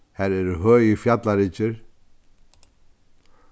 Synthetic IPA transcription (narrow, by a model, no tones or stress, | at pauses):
hɛɾɛɾʏɦœːjʏfjat̪laɾiːt͡ɕɪɾ̥